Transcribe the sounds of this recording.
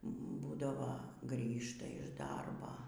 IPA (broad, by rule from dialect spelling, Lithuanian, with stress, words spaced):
ˈbuːdɐʋoː ˈɡrʲiːʃtɐ ɪʃ ˈdɐrbɐ